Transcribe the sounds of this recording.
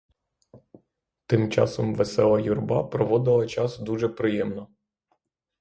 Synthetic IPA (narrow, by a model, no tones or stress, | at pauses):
t̪ɪmt͡ʃɑ̰sɔmʋesɛlˠɐjurbɑpɾɔʋɔd̪ɪlˠɐt͡ʃɑsd̪uʒɛpɾɪjɛmnɔ